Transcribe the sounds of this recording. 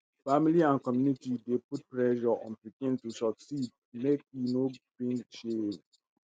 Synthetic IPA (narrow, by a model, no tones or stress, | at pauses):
familiãnkɔmjunitideput̚pɹɛʃɔʔɔ̰̃npikĩntusɔksid̚ | mek̚inobĩŋʃem